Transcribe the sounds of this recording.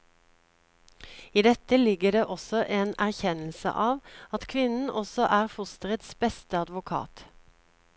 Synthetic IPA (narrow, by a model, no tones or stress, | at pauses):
iːd̪ɛt̪əlɪɡəd̪eːʔɔsɔʔeːnæʁçɛnl̩sə̰ʔɑːʋɑt̪kʰʋɪnn̩ʔɔsɔʔæːʁfʊst̪əʁət̪sbɛst̪əɑd̪ʋʊkʰɑ̰ːt̪